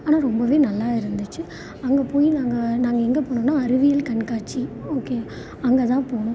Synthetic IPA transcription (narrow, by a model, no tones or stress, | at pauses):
aːnaːɾɔmbɐʋeːnɐlːaːɪɾɯnd̪ɯt͡ʃːɯ | ɐŋɡɐpoːjinaːŋɡɐnaːŋɡɐɛŋɡepoːɳõnːaːɐɾɯʋɪjɐlkɐɳkaːʈt͡ʃioːkeː | ɐŋɡɐt̪ãːpoːɳʊ̃